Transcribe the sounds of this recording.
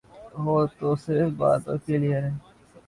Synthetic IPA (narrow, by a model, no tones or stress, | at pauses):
ʋoːt̪osɪɾfba̰ːt̪õ̰ːkelɪeɦɛ̃ː